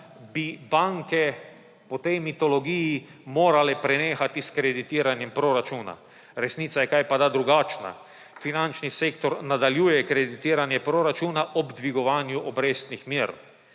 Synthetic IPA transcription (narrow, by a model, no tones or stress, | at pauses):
bibaŋkɛ | pɔt̪ɛjmit̪ɔlɔɡijimoːɾalɛpɾɛneːxat̪iskɾɛd̪it̪iːɾanjɛmpɾoɾat͡ʃuːna̰ | ɾɛsniːt̪sajɛkajpad̪ad̪ɾuɡaːt͡ʃna̰ | finant͡ʃniseːkt̪ɔɾnad̪aljuːjɛkɾɛd̪it̪iːɾanjɛpɾoɾat͡ʃuːnaʔɔbd̪ʋiɡɔʋaːnjuʔɔbɾest̪nixmiɾ